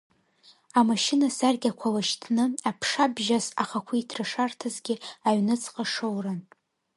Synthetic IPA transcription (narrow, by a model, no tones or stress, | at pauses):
amaʃɪnasarɡʲakʷʰalaʃtʰnɨapʰʂabʒasaχakʷʰuitʰraʂartʰazɡʲɪaɥnɨt͡sʰʼqʼaʂowran